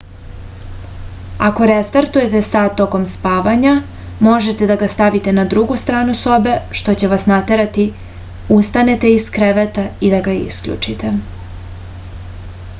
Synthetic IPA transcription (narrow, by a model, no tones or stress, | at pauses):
ako̞ɾest̪aɾt̪uje̞t̪e̞sad̪̚t̪o̞ko̞mspaːʋaɲa | mo̞ʒe̞t̪e̞d̪aɡast̪aʋit̪e̞nad̪ɾuɡust̪ɾaːnuso̞be̞ʃt̪o̞t͡ɕe̞ʋasnat̪eɾat̪i | ust̪ane̞t̪e̞iskɾeʋet̪aid̪aɡaḭskʎṵt͡ʂit̪e